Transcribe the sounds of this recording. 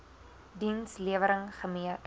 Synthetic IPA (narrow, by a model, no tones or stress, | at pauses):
dinsliəvəɾəŋχəmiə